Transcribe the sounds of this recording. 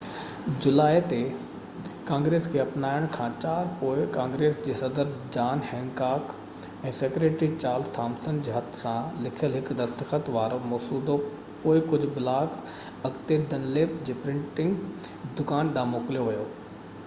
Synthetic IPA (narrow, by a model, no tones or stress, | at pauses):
d͡ʑʊlaːet̪e | kãːŋɡɾeːskʰeːɐpnaːɪəɽ̃kʰãːt͡ɕaːɾpoːɪkãːŋɡɾeːsd͡ʑeːsɐd̪əɾd͡ʑaːnhɛ̃ːŋɡkaːk | ɛ̃ːsekɾeːʈɾit͡ɕaːɾlst̪ʰaːmsənd͡ʑeːɦɐt̪ʰsãlɪkʰijəlɦɪkd̪ɐst̪əxət̪ʋaːɾomɔːsuːd̪o | poːɪkʊd͡ʑʱblaːk | ɐkt̪ed̪ɐnleːp̚d͡ʑeːpɾɪ̃ɳʈɪ̃ŋɡ | d̪ʊkaːnɗãːmoːklijoʋɐjoː